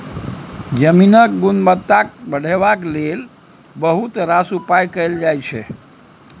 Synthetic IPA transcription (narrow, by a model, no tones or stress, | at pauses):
d͡ʒəminək̚ɡunmət̪ːak̚bəɽ̤ebaklel | bəɦut̪ɾasupajkəjld͡ʒajt͡ʃʰɛ